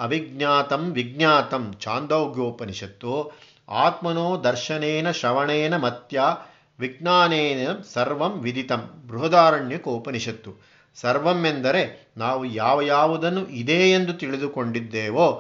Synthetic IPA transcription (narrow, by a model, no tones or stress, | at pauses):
ɐʋiɡnjaːt̪ɐmʋiɡ̚njaːt̪ɐmt͡ʃaːnd̪ɐːɡjoːpɐniʃɐt̪ːoː | a̰ːt̪mɐnoːd̪ɐɾʃɐneːnɐʃɐʋɐɳeːnɐmɐt̪jaː | ʋiɡ̚naːneːnɐsɐɾʋɐmʋid̪it̪ɐmbɾuɦɐd̪aːɾɐɳjɐkoːpɐniʃɐt̪ːu | sɐɾʋɐmːend̪ɐɾe̞ | naːʋujaːʋɐjaːʋud̪ɐnːuʔid̪eːend̪ut̪iɭid̪ukoɳɖid̪ːeːʋoː